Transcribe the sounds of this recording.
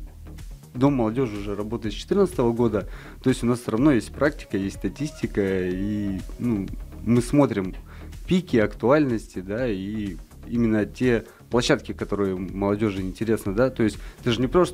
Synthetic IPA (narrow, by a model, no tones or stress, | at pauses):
d̪o̞mːəlˠɐdʲo̞ʐɨʊʐɛɾɐbo̞t̪əjɪt̪t͡ɕɪ̥t̪ɨrnt̪sət̪əvəɡo̞d̪ə | t̪o̞jɪsʲtʲʊnassʲɾɐvno̞jesʲt̚ʲpɾʔak̚tʲɪ̥kəjesʲtʲst̪ɐtʲisʲtʲɪkəinumɨsmo̞t̪ɾʲɪmpʲikʲɪɐkt̪ʊalʲnəsʲtʲɪd̪ai | imʲɪnːətʲe̞ | plˠɐɕːat̪̚kʲɪkɐt̪o̞ɾɨjəməlˠɐdʲo̞ʐɨɪnʲtʲɪɾʲe̞snəd̪at̪o̞ɪsʲtʲt̪ɨʐɨnʲɪpɾo̞s